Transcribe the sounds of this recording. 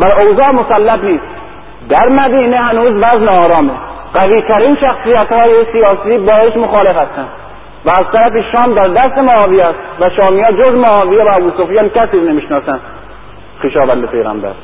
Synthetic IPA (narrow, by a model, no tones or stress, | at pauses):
væɾowzɒːmosælːæbniːst̪ | d̪æɾmæd̪iːnehænuːzvæzneɒːɾɒːme | ɢ̥æviːt̪ʰæɾiːnʃæxsiːjæt̪hɒːjesijɒːsiːbɒːeʃmoxɒːle̞fhæst̪ænd̪̥ | væːzt̪æɾæfeʃɒːmd̪æɾd̪æst̪emoɒːvijæst̪væʃɒːmijɒːd͡ʒozmoɒːvijevææbuːsofijɑːnkæsiːɾnemiːʃnɒːsænd̪ | xiːʃɒːvænd̪epʰe̞jɣæ̰mbæ̰ɾ